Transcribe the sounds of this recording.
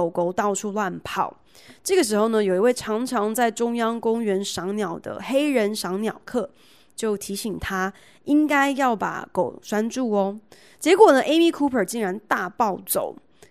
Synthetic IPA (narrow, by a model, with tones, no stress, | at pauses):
o˨˩ʊko˧˩ʊt̪ɑ˥˧ʊʈ͡ʂʰu˥˧lwa˥˧npʰɑ˥˩˦ʊ | ʈ͡ʂɤ˥˩ɡə˩ʂ̬ɻ̩˧˥xo˥˩ʊnə˧jo˨˩ʊi˧˥we˥˩ɪʈ͡ʂʰɑ˧˥ŋʈ͡ʂʰɑ˧˥ŋt͡sa˥˩ɪʈ͡ʂʊ˥ŋjɑ˥ŋkʊ˥ŋɥɛ˧˥nʂɑ˧˥ŋnjɑ˨˩ʊd̪ə̰˦xe˥ɪɻə˧˦nʂɑ˧˥ŋnjɑ˨˩ʊkʰɤ˥˩ | t͡ɕjo˥˩ʊt̪ʰi˧˥ɕi˨˩ŋt̪ʰa˥ | i˥ŋka˥ɪjɑ˥˩ʊpa̰˨˩˦ko̰˨˩˦ʊʂwa˥nʈ͡ʂu˥˩ɔ˨ | t͡ɕjɛ˧˥kwɔ˨˩nə˧˦ʔe˥ɪmi˥˧kʰu˥pʰə˞˨˩t͡ɕi˥˩ŋɻa˧˥nt̪a˥˧pɑ˥˩ʊt͡so̰˨˩˦ʊ